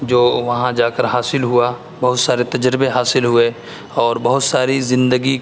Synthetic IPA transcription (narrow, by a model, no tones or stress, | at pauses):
d͡ʒoːʋɐɦãd͡ʒaːkəɾɦaːsɪlɦua | bɐɦʊt̪saːɾet̪ɐd͡ʒɾɪbeɦaːsɪlɦʊe | ɔːɾbɐɦʊt̪saːɾizɪ̃nd̪əɡi